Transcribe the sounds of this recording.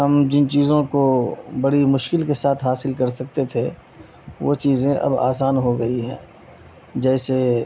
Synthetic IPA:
ɦɐmd͡ʒɪnt͡ʃiːzõkobɐɽimʊʃkɪlkesaːt̪ʰɦaːsɪlkɐɾsɐk̚t̪et̪ʰe | ʋo̰ːt͡ʃiːzẽʔɐ̰ba̰ːsaːnɦoɡɐiɦɛ̰̃ː | d͡ʒɛːse

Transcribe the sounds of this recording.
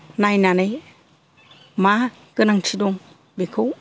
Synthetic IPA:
najnanej | ma | kənaŋt͡ʃʰidoŋ | bekʰuw

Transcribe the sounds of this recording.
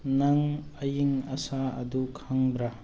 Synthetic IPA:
naŋɐjiŋɐsaɐdukʰaŋbɾa

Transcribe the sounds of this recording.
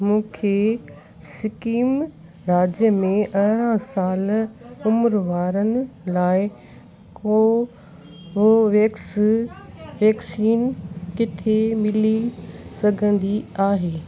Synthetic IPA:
mũːkʰe | sɪkiːm | ɾaːd͡ʑjəmẽʔɐɦɾãsaːlʊmɾʋaːɾənɪ̆laːɪ | o | ʋoʋek | ʋɛːksiːnkɪt̪ʰemɪlisɐɡʱə̃nd̪iaːɦeː

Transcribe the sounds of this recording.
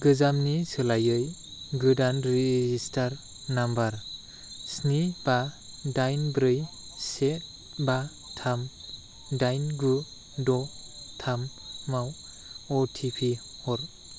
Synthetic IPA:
ɡɯzamnisɯlajɯj | ɡɯdanɾizistʰaɾ | nambaɾ | snib̥a | dajnbɾɯj | set̚ | ba | tʰam | dajnɡu | dɔtʰamːaw | ɔtʰipʰi | hɔɾ

